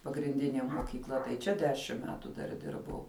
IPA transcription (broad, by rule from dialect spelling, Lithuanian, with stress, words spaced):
pɐɡrʲɪnʲˈdʲɪnʲeː moːkʲiːkˈlˠɐ tɐɪ ˈt͡ʃʲɛ ˈdʲæːʃʲɪm ˈmʲæːtʊ dɐr ˈdʲɪrbɐʊ